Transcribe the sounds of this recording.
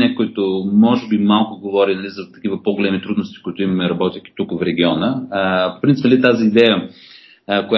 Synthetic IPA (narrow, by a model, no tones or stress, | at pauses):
nɛkʊit̪ʊmɔʒɛbimalˠkʊɡovɔɾinɐlizɐt̪ɐk̟ivəpoɡolɛmit̪ɾud̪nost̪i̥kʊit̪ʊimɐmɛɾɐbɔt̪ʲjək̟ʲi̥t̪ukfɾɛɡʲiɔnəpo̥pɾint̪ipnlit̪aziːd̪ɛjə | kʊja